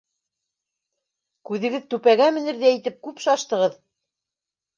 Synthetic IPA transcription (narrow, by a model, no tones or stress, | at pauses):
kʉðɘ̆ɡɘðt̪ʉpæɡæmɘ̆nɘ̆ɾðæĭt̪ɘp̚kʉpʃɑʃt̪ɤ̆ʁɤð